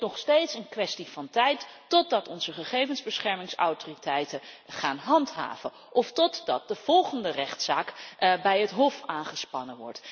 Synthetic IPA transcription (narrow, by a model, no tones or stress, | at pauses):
nɔχstejtsənkʋɛstivɑntɛjtː | ɔt̚dɑtɔnzəχəχejvənzbəsχɛɹmɪŋsa̰wtoritɛjtəχaːnɦɑntɦa̰ːv̥ə | ʔɔftɔtdɑ̰t̚dəv̥ɔlˠχəndərɛχtsaːkbɛjɦətɦɔfaːnχəspɑnəʋɔ̰ɹt